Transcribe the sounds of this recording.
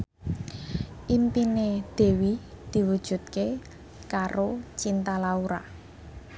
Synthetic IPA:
ʔimpined̪̥e̤wid̪̥i̤wud̥ʒ̥ṳt̪̚ke | kaɾot͡ʃint̪alauɾa̰

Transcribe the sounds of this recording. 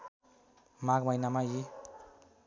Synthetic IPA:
mak̚majnamaji

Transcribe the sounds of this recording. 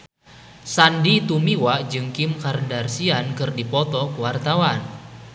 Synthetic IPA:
sandit̪umiwaʔd͡ʒɨŋkimkaɾndarsiankɨrdipɔt̪ɔkuwart̪awan

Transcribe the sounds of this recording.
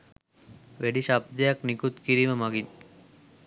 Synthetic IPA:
ʋeɖiʃɐb̚d̪jaknikut̪kiɾimɐmɐɡin

